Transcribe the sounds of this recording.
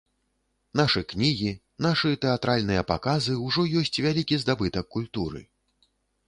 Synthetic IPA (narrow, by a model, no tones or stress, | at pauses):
naʂɨknʲiɣʲi | naʂɨt̪ɛat̪ɾʔalʲnɨjɐpa̰kazɨwʐɔjɔsʲt͡sʲvʲalʲikʲizd̪abɨt̪ɐkːulʲt̪uɾɨ̰